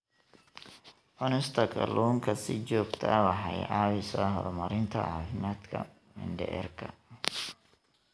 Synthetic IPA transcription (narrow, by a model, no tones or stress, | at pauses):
ʔɔnɪst̪ʰɐkʰɐ̰lʔuːŋkʰɐsɪt͡ʃɔːɡt̪ʰɐwɑħɑjʔɑːwɪsɔɦɔɾmɐɾɪnt̪ʰɐ̰ɑːfɪmaːd̪kʰɐ̰ | mɪ̰nɖɛʔɛ̰rkʰɐ